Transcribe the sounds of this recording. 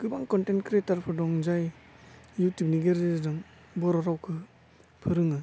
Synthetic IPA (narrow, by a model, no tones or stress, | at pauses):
ɡ̥ɯbaŋkɔntentkɾetaɾpʰɯdɔŋzaj | jutibniɡeɾɯdɯŋ | bɔɾaɾawkʰɯ | pʰɯɾɯŋɯ